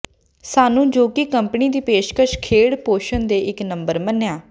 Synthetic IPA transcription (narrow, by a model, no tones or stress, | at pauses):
saːnũːd͡ʒoːkɪkəmpniːd̪iːpeːʃkəʃkʰeːɽpoːʃənd̪eːʔɪknəmbəɾmənejaː